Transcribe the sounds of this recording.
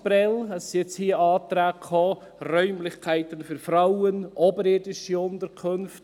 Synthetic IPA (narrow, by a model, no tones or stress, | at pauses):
pɾɛlɦɛsiɛt͡shiːəɑːtɾæːkʰɔ | rœʏmlɪçkʰæɪtənfyɾfɾawənʔɔbəɾeːdɪʃiʊntəɾkʰɵnft